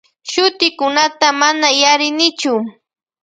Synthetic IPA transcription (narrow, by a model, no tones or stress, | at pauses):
ʃʊt̪ɪkʊnat̪amanajaɾɪnɪt͡ʃʊ